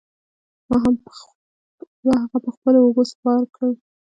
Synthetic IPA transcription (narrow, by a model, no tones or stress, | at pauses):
mɑɦam | mɑɦaɣapəxpəlooɡospɑɾkəw